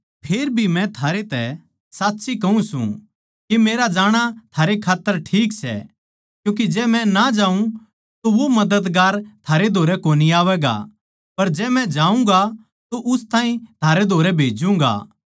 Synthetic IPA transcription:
pʰeːɾbʱimɛ̃t̪ʰaːɾet̪ɛ | saːt̪ːsʰikɐũsṵ̃ | kimeːɾad͡ʒaːɽ̃at̪ʰaːɾekʰaːt̪ːəɾʈʰiːksɛ̰ | kjũːk̬id͡ʒɛːmɛ̃nad͡ʒaːũ | t̪oʋomɐd̪əd̪ɡaːɾt̪ʰaːɾed̪ʱoːɾɛkoːniaːʋɛːɡa̰ | pɐɾd͡ʒɛːmɛ̃d͡ʒaːũŋɡa | t̪oʔʊst̪aːĩt̪ʰaːɾed̪ʱoːɾɛbʱeːd͡ʒũːŋɡa̰ː

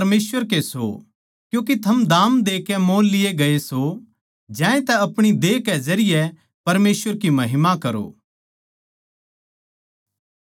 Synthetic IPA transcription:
ɾmeːsʋəɾkeso̰ | kjũːkit̪ʰɐmd̪aːmd̪eːkɛmõːnlɪeɡɐeso | d͡ʒɛ̃ːẽt̪ɛɐpɽ̃id̪eːkɛzɐɾɪjɛ | pɐɾmeːswʋəɾkimɐɦɪmakɐɾo̰ː

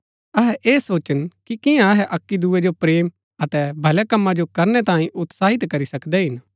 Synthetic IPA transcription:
ɐɦɛʔeːsoːt͡ʃənkikɪjãɐɦɛʔɐkːid̪uːed͡ʒopɾeːm | ɐt̪ɛbʱɐlɛkɐmːad͡ʒokɐɾnɛt̪ãːĩʔʊt̪saːɦɪt̪kɐɾisɐkd̪ɛɦɪn

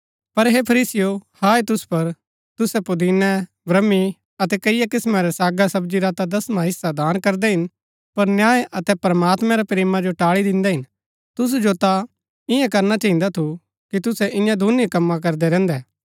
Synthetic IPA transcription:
pɐɾɦepʰɐɾiːsɪjohaːet̪ʊspɐɾ | t̪ʊsɛpʊd̪iːnɛ | bɾɐmːi | ɐt̪ɛkɐɪjakɪsmãɾɛsaːɡasɐbd͡ʒiɾaːt̪ad̪ɐsmãɦɪsːad̪aːnkɐɾd̪ɛɦɪn | pɐɾnjaːeʔɐt̪ɛpɾɐmaːt̪mɛ̃ɾɛpɾeːmãd͡ʒoʈaːɭid̪ɪ̃nd̪ɛɦɪn | t̪ʊs̬d͡ʒot̪a | ɪ̃jãkɐɾnat͡ʃɐɦĩnd̪at̪ʰu | kit̪ʊsɛʔɪ̃jãd̪ʱʊnikɐmːãk̬ɐɾd̪ɛɾɛ̃ːnd̪ɛː

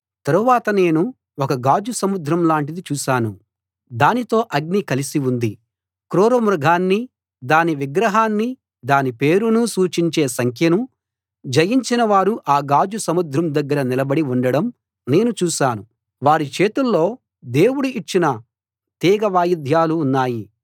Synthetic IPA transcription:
t̪ɐɾuʋaːt̪ɐne̞ːnu | ɔkɐɡaːd͡ʒusɐmud̪ʱɾɐmlaːɳʈid̪it͡ʃuːʃaːnu | d̪aːnit̪o̞ːʔɐɡnikɐlisiund̪i | kɾuːɾɐmɾɐɡʱaːnːi | d̪aːniʋiɡɾɐɦaːnːi | d̪aːnipe̞ːɾunusuːt͡ʃiɲt͡ʃe̞ːsɐŋkʰjɐnu | d͡ʒɐjiɲt͡ʃinɐʋaːɾuʔaːɡaːd͡ʒusɐmud̪ʱɾɐmd̪ɐɡːɐɾɐnilɐbɐɽiuɳɖɐɽɐm | ne̞ːnut͡ʃuːʃaːnu | ʋaːɾit͡ʃe̞ːt̪ulːo̞ː | d̪e̞ːwuɽuit͡ʃːinɐ | t̪iːɡɐʋaːjid̪ʱjaːluːnːaːji

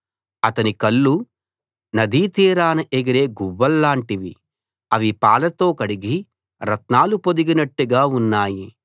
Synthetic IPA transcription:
ɐt̪ɐnikɐlːu | nɐd̪ʱiːt̪iːɾaːnɐʔeɡɐɾe̞ːɡuʋːɐlːaːɳʈiʋi | ɐʋipaːlɐt̪o̞ːkɐɽiɡi | ɾɐt̪naːlupo̞d̪iɡinɐʈːuɡaːunːaːji

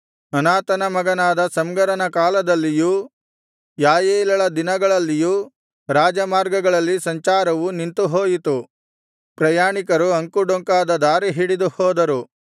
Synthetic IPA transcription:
ɐnaːt̪ɐnɐmɐɡɐnaːd̪ɐsɐmɡɐɾɐnɐkaːlɐd̪ɐlːijuː | jaːjeːlɐɭɐd̪inɐɡɐɭɐlːijuː | ɾaːd͡ʒɐmaːɾɡɐɡɐɭɐlːisɐɲt͡ʃaːɾɐʋunint̪uɦoːjit̪u | pɾɐjaːɳikɐɾuɐŋkuɖoŋkaːd̪ɐd̪aːɾiɦiɽid̪uhɔːd̪ɐɾu

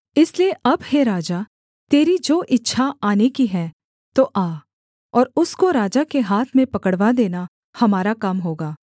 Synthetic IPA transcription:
ɪslieʔɐbheɾaːd͡ʒa | t̪eːɾid͡ʒoːʔɪtːʃʰaaːnekiɦɛ̃ː | t̪oʔaː | ɔːɾʊskoɾaːd͡ʒakeɦaːt̪ʰmẽpɐkəɽʋad̪eːna | hɐmaːɾakɐmɦoːɡaː

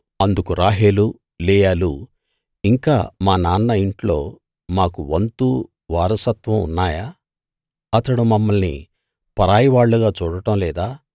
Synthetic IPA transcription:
ɐnd̪ukuɾaːɦe̞ːlu | lɛːjaːlu | iŋkaːmaːnaːnːɐiɳʈlo̞ː | maːkuʋɐnt̪u | ʋaːɾɐsɐt̪ʋɐmṵnːaːjaː | ɐt̪ːɐɽumɐmːɐlnḭ | pɐɾaːjiʋaːɭːuɡaːt͡ʃuːɽɐʈɐmlɛːd̪aː

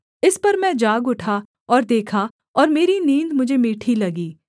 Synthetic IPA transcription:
ɪspɐɾmɛ̃d͡ʒaːɡʊʈʰa | ɔːɾd̪eːkʰa | ɔːɾmeːɾinĩːnd̪mʊd͡ʒʱemiːʈʰilɐɡiː

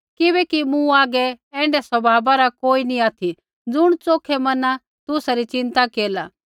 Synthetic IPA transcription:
kɪbɛkimũaːɡɛɛ̃ːɳɖɛsɐbʱaːbaɾakoːiniaːt̪ʰi | d͡zʊɽ̃t͡soːkʰɛmɐna | t̪ʊsaɾit͡ʃɪ̃nt̪akeːlaː

